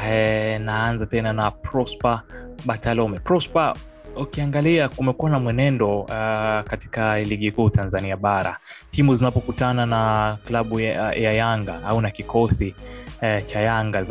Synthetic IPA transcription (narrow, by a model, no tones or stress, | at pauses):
naanzatɛnanapɾɔspaɓatalɔmɛpɾɔspa | ukiaŋɡaliakumɛkuwanamwɛnɛndɔ | kati̥kaliɠikuːtanzaniaɓaɾa̰ | timuzinapɔkutananaklaɓujajaŋɡa̰aunakikɔsi | t͡ʃajaŋɡa